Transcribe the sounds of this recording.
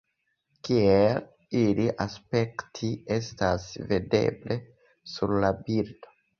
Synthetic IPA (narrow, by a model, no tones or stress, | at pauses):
kiel | iliʔaspe̞ktʰiestasvede̞̰ble̞ | suɾlabiɾd̥o̥